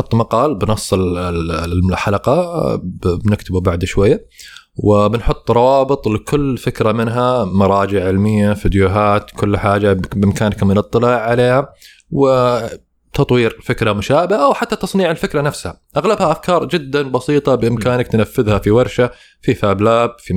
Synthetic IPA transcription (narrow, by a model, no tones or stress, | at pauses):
ʊt̪ːˤmɑqɑːlbnɑsˤːɪl | ħalɑqɑ | bnɪkt̪ʰɪbubaʕd̪ʃwajːa | wɪbɪnħʊt̪ˤːɾˤɑwɑːbɨt̪ˤlɪkʰʊlːfɪkɾamɪnɦamɑɾˤɑːd͡ʒɪʕʕɪlmɪjːafid̪juːɦaːt̪kʰʊlːħaːd͡ʒabʔɪmkaːnkamɪnɨt̪ˤːɨlaːʕːaleːha | wɪ | t̪ʰɑt̪ˤwiːɾfɪkɾamʊʃaːbɪhaʔawħat̪ːat̪ɑsˤniːʕɪlfɪkɾanafsha̰ʔaɣlabhaʔafkɑːɾˤd͡ʒɪd̪ːanbɑsiːt̪ˤɑbɪʔɪmkaːnakt̪nafːɪðhafiwɑɾˤʃa | fifaːblaːb̚fi